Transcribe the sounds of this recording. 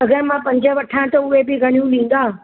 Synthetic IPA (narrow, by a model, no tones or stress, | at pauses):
ɐɡəɾmãːpɐ̃ɲd͡ʑʱə̆ʋɐʈʰãt̪ɐʊɦebɪɡʱɐɽ̃ijũlĩːn̆d̪aː